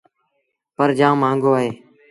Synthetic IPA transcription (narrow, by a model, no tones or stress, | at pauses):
pəɾd͡ʒãːmãːŋɡoːaːɦeː